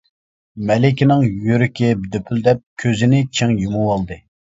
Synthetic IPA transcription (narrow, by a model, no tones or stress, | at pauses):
mɛlɪkʲinɪŋjøɾykʲʰibd̪øpʰyld̪ɛp̚kʲʰøzɪnɪt͡ʃʰeŋjumuwɑlˠd̪ɨ